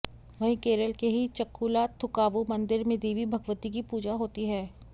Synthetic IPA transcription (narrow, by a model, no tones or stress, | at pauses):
ʋɐɦĩkeːɾəlkeɦit͡ʃɐkːuːlaːt̪ʰːʊkaːʋomɐ̃nd̪ɪɾmẽd̪iːʋibʱɐɡʋət̪ik̬ipuːd͡ʒaɦoːt̪iɦɛː